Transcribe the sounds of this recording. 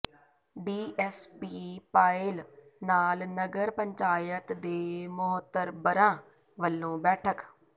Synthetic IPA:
biːʔɛːspiːpaːɪlnaːlnəɡəɾpəɲt͡ʃaːjət̪d̪eːmʊɦət̪ːəɾbəɾãː | ʋəlːõːbɛːʈʰək

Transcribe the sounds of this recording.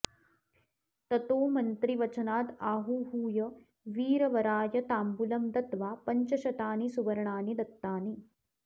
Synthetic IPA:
t̪ɐt̪oːmɐnt̪ɾiʋɐt͡ʃɐnaːd̪aːɦuɦuːjɐ | ʋiːɾɐʋɐɾaːjɐt̪aːmbulɐmd̪ɐt̪ʋaːpɐɲt͡ʃɐʃɐt̪aːnisuʋɐɾɐɳaːnid̪ɐt̪ːaːni

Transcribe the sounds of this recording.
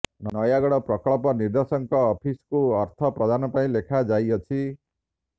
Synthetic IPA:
nʌnʌjaɡɔɽʌprʌkɔɭpɔniɾd̪esʌŋkʌːpʰiskoʌɾt̪ʰʌprʌd̪ʱanɔpaĩlekʰad͡ʒajʌt͡sʰi

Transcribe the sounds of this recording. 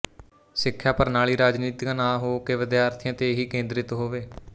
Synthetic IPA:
sɪkʰːjaːpəɾnaːliːɾaːd͡ʒniːt̪ɪkãːnãːɦoːkeːʋɪd̪jaːɾt̪ʰɪjãːt̪eɦiːkẽːnd̪ɾɪt̪ɦoːʋeː

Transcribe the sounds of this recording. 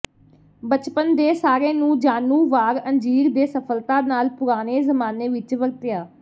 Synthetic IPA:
bət͡ʃpənd̪eːsaːɾeːnũːd͡ʒaːnũːʋaːɾənd͡ʒiːɾd̪eːsəpʰəlt̪aːnaːlpʊɾaːneːzəmaːneːʋɪt͡ʃʋəɾt̪ɪjaː

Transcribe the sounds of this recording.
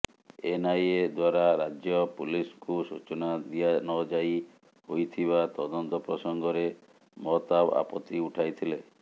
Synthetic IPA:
enajed̪waɾaɾad͡ʒjɔpuliskusut͡ʃɔnad̪ijanɔd͡ʒaj | hojt̪ʰiβat̪ɔd̪ɔnt̪ɔpɾɔsɔŋɡɔɾe | mɔt̪aba̰pɔt̪ːiuʈʰajt̪ʰile

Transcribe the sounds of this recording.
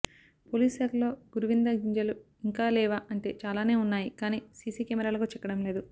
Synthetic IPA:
poːliːsɐɾlo̞ːɡ̥uɾuʋind̪ɐɡiɲd͡ʒɐlu | iŋkaːlɛːʋaːʔɐɳʈe̞̰ːt͡ʃaːlaːne̞ːunːaːjikaːniːsiːsiːkɛːmɛɾaːlɐkoːt͡ʃɛkːɐɽɐmle̞ːd̪u

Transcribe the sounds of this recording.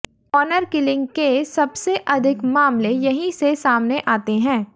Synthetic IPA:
ɔːnəɾkɪlɪ̃ŋɡkesɐbseʔɐd̪ʱɪkmaːmlejɐɦĩsesaːmneʔaːt̪eɦɛ̃ː

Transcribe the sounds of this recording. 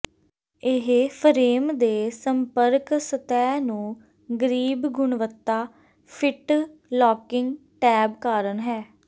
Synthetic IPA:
ɪɦpʰəɾeːmd̪eːsəmpəɾksət̪ɛːnũː | ɡəɾiːbɡʊɳʋət̪ːaː | pʰɪʈlɔːkɪŋɡʈɛːbkaːɾənɦɛː

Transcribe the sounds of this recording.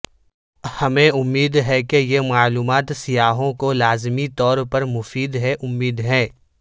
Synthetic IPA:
hɐmẽʊmːiːd̪ɦɛkejemaːluːmaːt̪sɪjaːɦõkolaːzmit̪ɔːɾpɐɾmʊfiːd̪ɦɛʔʊmːiːd̪ɦɛ̃ː

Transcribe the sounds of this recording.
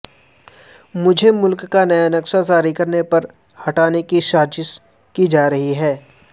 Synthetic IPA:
mʊd͡ʒʱemʊlkːanɐjanɐkʃazaːɾikɐɾnepɐɾ | hɐʈaːnekiʃaːd͡ʒɪs | kid͡ʒaːɾɐɦiɦɛː

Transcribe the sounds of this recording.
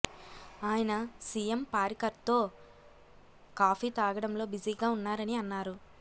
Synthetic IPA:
aːjɐnɐsijempaːɾikɐɾt̪o̞ː | kaːpʰiːt̪aːɡɐɽɐmlo̞ːbid͡ʒiːɡaːunːaːɾɐniɐnːaːɾu

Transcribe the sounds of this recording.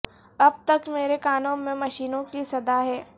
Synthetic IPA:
ɐb̚t̪ɐkmeːɾekaːnõmẽmɐʃiːnõkisɐd̪aɦɛː

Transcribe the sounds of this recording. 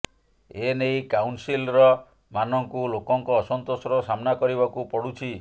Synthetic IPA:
enejkawnsilɾɔ | manɔŋkulokɔŋkɔːsɔnt̪osɾɔsamnakɔɾibakupɔɽut͡ʃʰi

